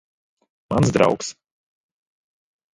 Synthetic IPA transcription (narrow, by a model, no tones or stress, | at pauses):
mansd̪ɾa̰wks